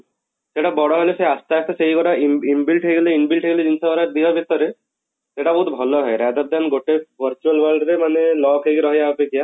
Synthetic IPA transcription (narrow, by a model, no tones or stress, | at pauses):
seʈabɔɽɔɦɔjleseast̪aat̪ɔseɦiɡɔʈaimbilʈɦejɡɔleinbilʈʰɦeɡɔled͡ʑinsabaɾad̪iɦɔbʱit̪ɔɾe | seʈabɔɦut̪bʱɔlɔɦɔeɾad̪aɾd̪anɡoʈebʱəɾt͡ʃualbalɖɾemanelɔkʰekiɾɔɦijapekʰija